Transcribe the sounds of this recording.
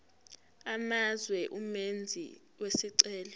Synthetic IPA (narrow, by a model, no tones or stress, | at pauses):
amazwɛʔumend͡zʱḭ | wesiǀɛːlɔ